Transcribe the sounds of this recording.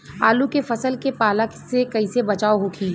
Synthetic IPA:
aːlukefɐsəlkepaːləksekɐisebɐt͡ʃaːoɦokʰiː

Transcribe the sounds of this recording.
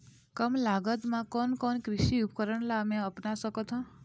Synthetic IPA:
kəmlaɡət̪mãkɔnkɔnkɾɪʃiup̚kəɾəɳlaəmẽəpnasəkot̪ʰɔ̃

